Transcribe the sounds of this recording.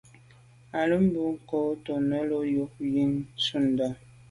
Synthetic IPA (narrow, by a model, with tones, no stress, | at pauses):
a˨lə˦m̩˦bu˨ŋ̩˦ko˨˦to˨nə˦lo˦jo˦ji˦nsu˦˨n˨da˦˨